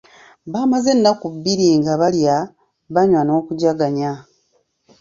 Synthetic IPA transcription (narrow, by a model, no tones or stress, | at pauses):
βaːmaze̞nːakubːiɾiŋɡaβalja | βaɲwano̞ːkuɟaɡaɲa